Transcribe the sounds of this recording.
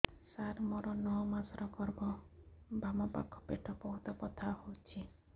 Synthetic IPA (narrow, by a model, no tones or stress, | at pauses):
saɾmɔɾɔnɔɦɔmasɾɔkɔɾbɔbamɔpa̰kʰɔ̥peʈʰɔbɔɦut̪ɔpɔt̪ʰahowt͡ʃʰi